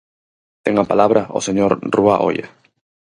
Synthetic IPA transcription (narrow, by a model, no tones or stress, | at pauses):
t̪eŋapalaβɾao̰seɲoɾrua̰ʔo̰ja̰